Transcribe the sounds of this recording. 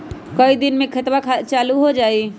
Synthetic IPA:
kəid̪ɪnmẽkʰət̪wakʰat͡ʃaːluɦod͡ʒaːi

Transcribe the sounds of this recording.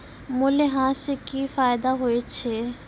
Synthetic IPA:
mʊleɦãːsekifaːɪd̪aɦoet͡ʃʰe

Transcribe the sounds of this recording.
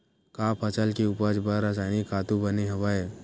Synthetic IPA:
kaːpʰɐt͡ʃəlkeuːpəd͡ʒbəɾːas̬aːɪnikʰaːt̪ubɐneɦɐʋaeː

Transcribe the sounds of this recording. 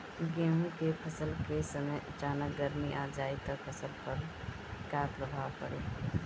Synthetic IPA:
ɡemũkepʰəsəlkesəməjʔət͡ʃaːnək̚ɡəɾmiʔad͡ʒait̪əpʰəsəlpəɾ | kapɾəbʱawpəɽe

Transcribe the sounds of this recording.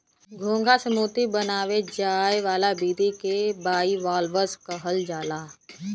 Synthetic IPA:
ɡʱõːŋɡasəmuːt̪ibənaːʋed͡ʒaːjʋaːlabiːd̪ikebaːiʋaːlʋəskəɦəld͡ʒaːlaː

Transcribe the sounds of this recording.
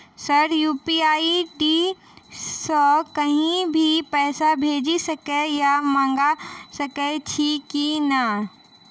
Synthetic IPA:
səɾjuːpiaːiɖiː | sɔkɐɦĩbʱipɛːsabʱeːd͡ʒisɐkejamãːŋɡasɐket͡ʃʰikinaː

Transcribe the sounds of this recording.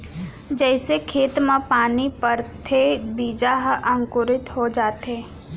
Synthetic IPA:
d͡ʒɛːsekʰeːt̪mãpaːnipəɾt̪ʰebiːd͡ʒaɦʔɐ̃ŋkʊɾɪt̪ɦod͡ʒaːt̪ɦeː

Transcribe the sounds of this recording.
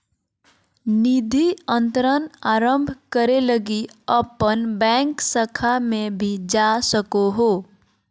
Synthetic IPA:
nid̪ʱiə̃nt̪əɾənaːɾə̃mbʱkəɾeləɡiəpənbɛ̃ːŋksəkʰamẽbʱid͡ʒasəkoɦoː

